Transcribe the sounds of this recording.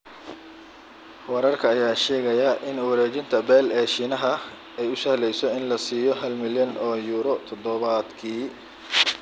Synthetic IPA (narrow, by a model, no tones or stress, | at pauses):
wɛɾɐrkʰɐːjaːʃɛːɣɐjɐʔɪnuwɐɾɛːt͡ʃɪnt̪ʰɐbɛːlɛːʃinɐɦɐ | ɛjʊsɐhlɛjsɔɪnlɐsiːjɔɦɐlmɪljɐnɔːjuːɾɔt̪ʰɔd̪ɔβɐd̪kʰiː